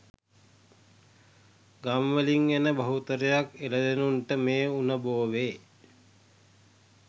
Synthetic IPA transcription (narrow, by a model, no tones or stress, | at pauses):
ɡamʋəliŋenəbɐɦut̪əɾəjakeləd̪enunʈəmeːunəboːʋeː